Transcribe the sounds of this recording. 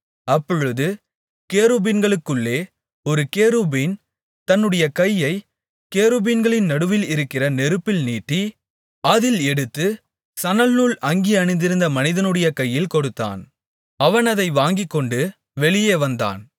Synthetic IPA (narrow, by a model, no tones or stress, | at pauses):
ɐpːɔɻɯðɯ | keːɾubinɡɐɭɯkːɯɭːeː | ɔɾɯkeːɾubiːn | t̪ɐnːɯɽɐjɐkɐjːɐɪ | keːɾubiːnɡɐɭɪnnɐɽɯʋɪlɪɾɯkːɪrɐnɛɾɯpːɪlniːʈːi | ɐðɪlɛɽɯt̪ːɯ | sɐnɐlnuːɭɐŋɡiɐnɪnd̪ɪɾɯnd̪ɐmɐnɪðɐnɯɽɐjɐkɐjːɪlkɔɽɯt̪ːa̰ːn | ɐʋɐnɐðɐɪʋaːŋɡɪkːɔɳɖɯ | ʋɛɭɪjeːʋɐnd̪a̰ːn